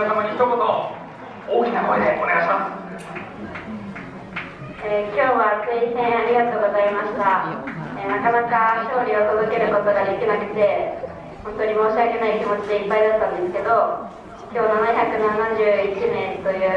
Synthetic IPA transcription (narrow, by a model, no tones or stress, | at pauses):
osamaɲʲiçt̪okot̪o | oːkʲinakoed̪eone̞ɡaɕimasɨ̥ | ekʲo̞ːβaseĩsẽ̞ɰ̃aɾʲiɡat̪o̞ːɡo̞zaimaɕi̥t̪aenakanakaɕo̞ːɾʲiot̪ozɨke̞ɾɯ̟ko̞t̪o̞ɡad̪e̞kʲinakɯ̟̥t̪e̞ | hõ̞nt̪o̞ɲ̟imo̞ːɕiake̞naikʲimo̞t͡ɕid̪e̞ipːaid̪at̪ːãnd̪e̞sɨ̥ke̞d̪o̞ | kʲo̞ːnanãçʲakɯ̟nanad͡ʑɨːit͡ɕinẽ̞nt̪o̞jɯ̟ː